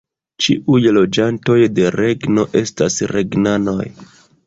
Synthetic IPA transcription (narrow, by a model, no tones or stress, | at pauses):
t͡ʃḭʔujlo̞d͡ʒanto̞jde̞ɾe̞ɡno̞ʔe̞stasɾe̞̰ɡnano̞̰j